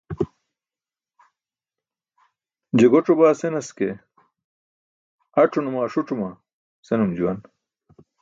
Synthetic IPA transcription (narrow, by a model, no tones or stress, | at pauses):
d͡ʑeɡoʈ͡ʂobaːsenɐske | ɐʈ͡ʂʰunumaːʂuʈ͡ʂuma | senumd͡ʑuwɐn